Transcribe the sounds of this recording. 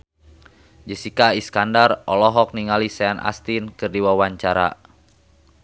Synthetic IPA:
d͡ʒəsikaiskandarɔlɔɦɔk̚niŋalisɛanʔa̰st̪inkɨrdiwawaɲt͡ʃaɾa̰

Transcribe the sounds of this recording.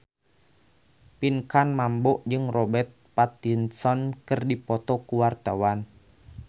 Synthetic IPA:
pinkanmambɔʔd͡ʒɨŋrɔbɛt̪̚pat̪insɔnkɨrdipɔt̪ɔkuwart̪awan

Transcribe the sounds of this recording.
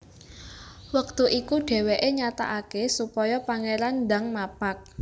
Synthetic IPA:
wək̚t̪uʔikuɖ̥e̤weʔeɲat̪a̰ʔakesupɔjɔpaŋeɾanda̤ŋmapak̚

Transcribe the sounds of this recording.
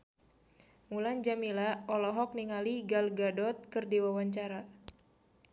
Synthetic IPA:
muland͡ʒamilaɔlɔɦɔk̚niŋaliɡalɡadɔt̪̚kɨrdiwawaɲt͡ʃaɾa

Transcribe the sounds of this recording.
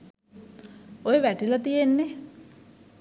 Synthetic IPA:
ojeʋæʈilat̪ijenːe

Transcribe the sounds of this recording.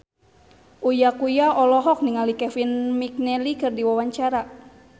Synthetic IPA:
ʔujakujaʔɔlɔɦɔk̚niŋalikɛfinmik̚nɛlikɨrdiwawaɲt͡ʃaɾa

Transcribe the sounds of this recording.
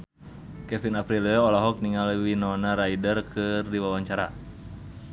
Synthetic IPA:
kɛfinapɾilɛɔɔlaɦɔk̚niŋalwinɔnaɾaidərkʰɨrdiwawaɲt͡ʃaɾa̰

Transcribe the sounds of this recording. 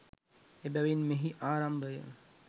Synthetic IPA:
ebɛʋinmeɦiʔaːɾambəjə̰

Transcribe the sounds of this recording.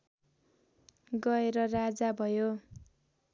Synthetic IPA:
ɡʌeɾʌrad͡zabʱʌjo

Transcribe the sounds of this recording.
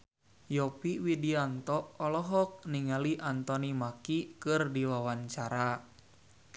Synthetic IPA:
jɔpiwidiant̪ɔʔːlɔɦɔk̚niŋaliʔant̪ɔnimakikɨrdiwawaɲt͡ʃaɾa

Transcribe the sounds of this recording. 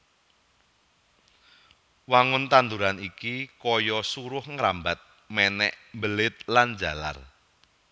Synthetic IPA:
waŋʊnt̪and̪uɾanikikɔjɔsuɾʊhŋɾambat̪̚ | mɛnɛ̰ʔmbəlɪt̪̚land͡ʒä̤la̰r

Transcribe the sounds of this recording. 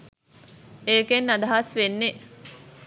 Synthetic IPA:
eːkenːad̪ɐɦasʋenːe

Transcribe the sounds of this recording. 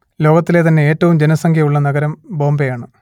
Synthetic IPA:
lo̞ːɡɐt̪ːile̞ːt̪ɐnːe̞eːtːɐʋumd͡ʑenɐsɐŋkʰjɐuɭːɐnɐɡɐɾɐmbo̞ːmbejaːɳɨ

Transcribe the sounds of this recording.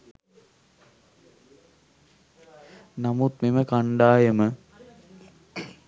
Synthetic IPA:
namut̪̚meməkaɳɖaːjəmə

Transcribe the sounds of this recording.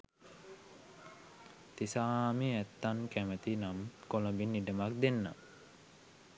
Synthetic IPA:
t̪isaːmiæt̪ːankæmət̪inamkolombinːiɖəmak̚d̪enːa̰

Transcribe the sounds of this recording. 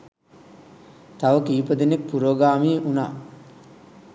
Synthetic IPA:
t̪aʋəkiːpəd̪enek̚puɾoːɡaːmiʔuna̰ː

